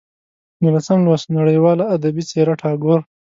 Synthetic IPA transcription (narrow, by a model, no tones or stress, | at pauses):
nilat͡samlwasnaɽəjwɑlaːd̪abit͡seɾaʈʰɑːɡoɾ